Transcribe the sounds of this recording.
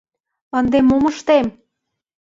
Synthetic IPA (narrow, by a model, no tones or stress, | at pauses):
ənd̪emːomɤʃt̪em